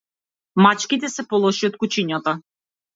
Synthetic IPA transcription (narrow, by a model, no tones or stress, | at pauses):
mat͡ʃkit̪ɛsɛpɔlˠɔʃiɔt̪̚kut͡ʃiɲat̪a